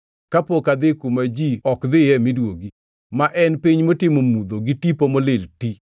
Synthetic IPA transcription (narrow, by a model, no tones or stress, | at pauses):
kapokad̪ɪkumad͡ʒiɔkd̪ɪjɛmɪdwoɡi | maʔɛnpiɲmotɪmomud̪oɡɪtipomolɪlti